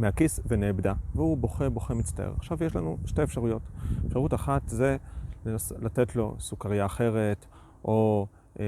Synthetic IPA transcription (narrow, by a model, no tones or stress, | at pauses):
meakisveneːbdaveubo̞χebo̞χemit͡st̪a̰ʔḛʁa̰χʃavjeʃla̰nuʃteefʃaʁujo̞tefʃaʁutaχat̪zelenaslatetlo̞̰sukaʁijaːχe̞ʁe̞t | ʔo